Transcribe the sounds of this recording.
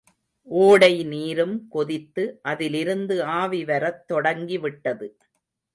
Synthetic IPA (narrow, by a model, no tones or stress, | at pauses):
ʔoːɽɐɪniːɾɯmkɔðɪt̪ːɯʔɐðɪlɪɾɯnd̪ɯaːʋiʋɐɾɐt̪ːɔɽɐŋɡiʋɪʈːɐðɯ